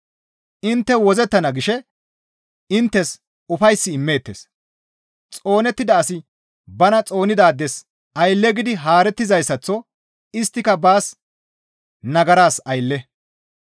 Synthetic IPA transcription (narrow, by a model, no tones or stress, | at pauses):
ʔɪnt̪ːɛwɔzɛt̪ːɐnɐɡɪʃɛ | ɪnt̪ːɛs | ʊfɐjsːɪːmːe̞ːt̪ːeːs | t͡sʼo̞ːnɛt̪ːɪd̪ɐːsɪ | bɐnɐt͡sʼo̞ːnɪd̪aːd̪ːɛs | ʔɐjlːɛɡɪd̪ɪɦaːɾɛt̪ːɪzɐjsːɐt͡sːɔ | ɪst̪ːɪkɐbaːs | nɐɡɐɾaːsɐjlːɛ